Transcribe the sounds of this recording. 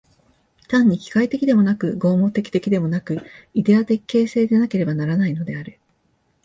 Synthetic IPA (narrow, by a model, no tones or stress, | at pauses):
t̪ãɲ̟ːikʲi̥kait̪e̞kʲid̪e̞mo̞nakɯ̟ɡo̞ːmo̞t̪e̞kʲi̥t̪e̞kʲid̪e̞mo̞nakɯ̟id̪e̞at̪e̞kːe̞ːse̞ːd̪e̞nake̞ɾe̞banaɾanaino̞d̪e̞aɾɯ̟